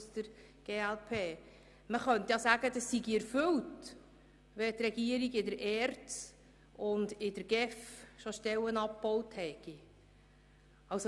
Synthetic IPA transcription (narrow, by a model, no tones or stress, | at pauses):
stəɾ | ɡ̥eːælpʰeː | məχœntjɑsæːɡədɑsiɡiɛɾfɵlt | ʋɛt̪rɛɡ̥iəɾiɡɪdəɾʔɛːrts | ʊndɪd̥əɾɡ̥ɛfʃoʃtɛlənɑp̚pɔwthɛɡ̥i | ɑwso